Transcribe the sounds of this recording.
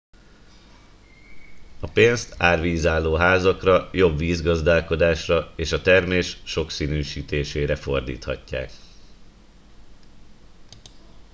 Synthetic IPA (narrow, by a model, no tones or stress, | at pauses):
ɒpeːnst̪aːrʋiːzaːlːoːɦaːzɒkrɒjo̞bʋiːzɡɒzd̪aːlko̞d̪aːʃrɒeːʃɒt̪ɛrmeːʃʃo̞ksiːnyːʃiːt̪eːʃeːɾɛfo̞rd̪ḭːt̪hɒ̰cːa̰ːk